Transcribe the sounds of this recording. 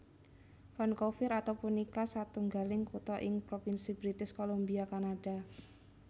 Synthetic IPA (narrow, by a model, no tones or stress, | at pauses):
fankofɪɾat̪awpunikasat̪uŋɡalɪŋkut̪ɔʔɪŋpɾofinsibɾit̪ɪskolombiakanaɖ̥a̤